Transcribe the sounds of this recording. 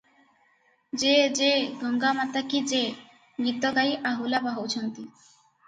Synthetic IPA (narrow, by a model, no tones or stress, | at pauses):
d͡ʑed͡ʑeɡʱɔŋɡamat̪akid͡ʑe | ɡit̪ːoɡajʔaɦulabaɦowt͡ɕʰont̪i